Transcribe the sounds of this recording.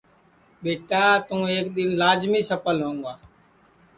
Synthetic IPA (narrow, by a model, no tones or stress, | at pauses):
ɓeːʈaːt̪ũːeːkɗ̪ɪnlaːd͡ʒmiːsəpəlɦõːŋɡaː